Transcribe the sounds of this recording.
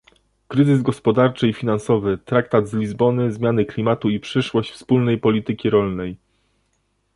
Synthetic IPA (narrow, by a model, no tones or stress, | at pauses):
kɾɘzɘzɡɔspɔd̪aɾt͡ʂɘifʲinansɔvɘt̪ɾak̚t̪ad̪zlʲizbɔnɘzmʲjanɘklʲimat̪uipʂɘʂwɔɕt͡ɕfspulnɛjpɔlʲit̪ɘkʲiɾɔlnɛj